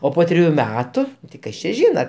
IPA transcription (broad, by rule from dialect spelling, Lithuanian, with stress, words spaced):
oː ˈpoː tʲrʲɪˈjuː ˈmʲæːtʊ tɐɪ ˈkɐs t͡ʃʲɛ ˈʒʲiːnɐ